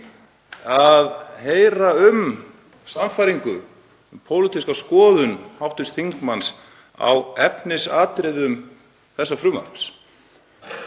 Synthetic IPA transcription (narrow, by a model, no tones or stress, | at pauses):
aðheːjɾaʏm | samfajɾiŋkʏ | ʏmpʰoːwlɪt̪ʰiskawskɔːðʏnhawht̪ʏst̪θiŋkmans | a̰wɛpnɪsaːt̪ɾɪðʏm | θɛsːafɾʏːma̰ɾps